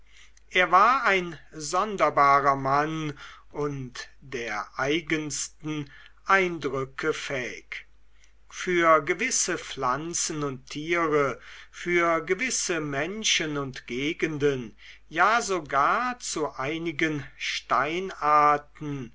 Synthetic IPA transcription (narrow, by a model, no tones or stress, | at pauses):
ʔeːɐvaːɐaɪnzɔndɐbaːʁɐmanʔʊntd̥eːɐʔaɪɡənstn̩ | ʔaɪndʁʏkʰəfɛːɪ̰k | fyːɐɡəvɪsəflant͡sn̩ʊntʰːiːʁəfyːɐɡəvɪsəmɛnʃənʊntɡ̥eːɡəndən | jaːzoɡaːɐt͡suʔaɪnɪɡənʃtaɪnaɐtn̩